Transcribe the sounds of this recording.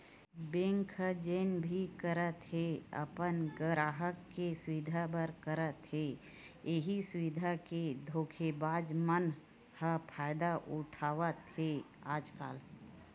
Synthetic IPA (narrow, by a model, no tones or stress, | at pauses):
bẽːŋkʰəd͡ʒeːnbʱikəɾət̪ɦeə̰pənɡəɾaːɦəkːesʊʋɪd̪ʱabəɾkəɾət̪ɦe | eɦisʊʋɪd̪ʱaked̪ʱoːkʰebaːd͡ʒmən | həpʰaːɪd̪aʔʊʈʰaːʋət̪he | aːd͡ʒka̰ːl